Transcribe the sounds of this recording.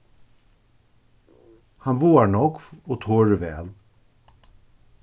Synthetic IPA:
hɑnʋuːaɳɔkʋoːt̪ʰoːɹəʋɛ̰ːl

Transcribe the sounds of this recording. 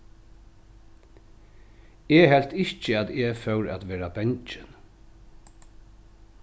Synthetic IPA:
eːɦɛlt̪ɪht͡ʃəat̪ɛːfœwɹæ̰t̪ʋɛːɾabɛɲt͡ʃɪn

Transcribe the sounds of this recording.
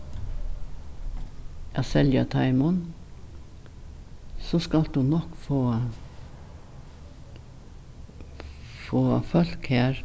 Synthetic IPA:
jɑːsɛljɑt̪ʰɑɪmʊn | sɔskɑld̪ʉːnɔkfoː | foːfœlkheːɾ

